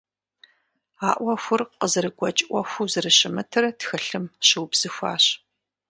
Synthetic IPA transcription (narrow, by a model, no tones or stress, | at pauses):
aːʔʷɐxʷʊrqəzɨɾɨɡʷɔt͡ʃʼʔʷɔxʷuzɨrɨɕɪmɨtʰɨrtxɨɬɨmɕɨwbz̥ɨxʷa̰ːɕ